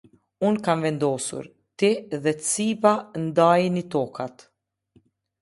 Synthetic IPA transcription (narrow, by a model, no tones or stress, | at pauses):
unkanvɛnd̪ɔsṵɾ | t̪iðɛt͡siband̪ajnit̪ɔkʰat̪